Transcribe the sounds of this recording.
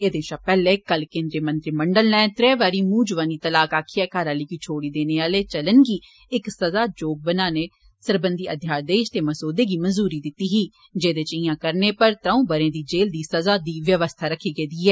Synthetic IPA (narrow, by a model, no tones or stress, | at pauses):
eːd̪ẽːʃaːpɛːleːkəlkẽːnd̪ɾeːmənt̪ɾiːməɳɖəlnɛ̃ːt̪ɾɛːʋaːɾiːmuːd͡ʒʋaːniːt̪əlaːkaːkʰiːɛːkaːɾãːləiːkiːt͡ʃʰoːɽiːd̪eːneːaːleːt͡ʃələnɡiː | ɪksəzaːd͡ʒoːk̚bənaːneː | səɾbənd̪iːʔəd̪ʱjaːɾd̪eːʃt̪eːməsoːd̪eːɡiːmənzuːɾiːd̪ɪt̪ːiːɦiː | d͡ʒeːd̪eːt͡ʃəiãːkəɾneːpəɾt̪ɾãːũːbəɾẽːd̪iːd͡ʒeːld̪iːsəzaːd̪iːʋjəʋəst̪ʰaːɾəkʰːiːɡeːd̪iːɛː